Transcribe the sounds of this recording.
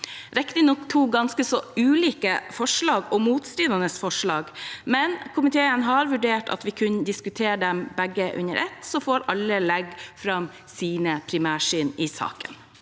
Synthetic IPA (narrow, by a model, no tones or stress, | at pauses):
ɾɛkt̪ɪnɔkt̪ʰuːɡɑnskəsɔʉːliːkəfɔʂɭɑːɡɔmuːt̪st̪ɾɪd̪ɑnəsfɔʂɭɑːɡmɛnkʰʊmɪt̪ʰeːənɦɑɾʋʉɖeːʈʰɑ̰t̪ʋɪkʰʉnd̪ɪskʉt̪ʰeːɖɛmbæɡəʔʉ̰nəɾʔɛt̪sɔfoːɾɑlːəlɛɡfɾɑm | siːnəpʰɾɪmæːʂiːnɪsɑ̰ːkə̰n